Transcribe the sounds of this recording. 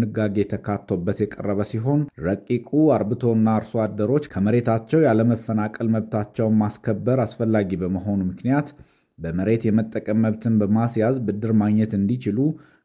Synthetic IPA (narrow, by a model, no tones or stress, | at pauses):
ɨɡːaɡe̞jɛt̪ʰəkʰat̪ʰːo̞bːət̪jɛkʼə̰rːəβəsiɦo̞nɾəkʼːikʼuaɾbɨt̪ʰo̞ɨnːaɾsoad̪ːəɾo̞t͡ʃːkʰəməɾe̞t̪ʰat͡ʃːɛwjaləməfːənakʼəlməβt̪ʰat͡ʃːɛwnmaskʰəbːəɾasfəlːaɡibəməɦo̞numɨknijat̪ | bəməɾe̞t̪jɛmət̪ʼːəkʼəmːəβt̪ʰɨnbəmasjazbɨd̪ːɨɾmaɡɲːɛt̪ɨnd̪it͡ʃɪlu